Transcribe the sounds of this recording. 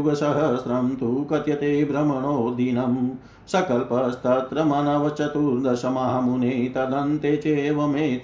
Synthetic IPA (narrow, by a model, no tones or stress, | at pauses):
uɡɐsɐɦɐsɾɐmt̪ukɐt̪jɐt̪eːbɾɐmɐɳoːd̪inɐm | sɐkɐlpɐst̪ɐt̪ɾɐmaːnɐʋɐt͡ʃɐt̪uɾd̪ɐsɐmaɦɐmuneːt̪ɐd̪ɐnt̪eːt͡ʃeːʋɐmeː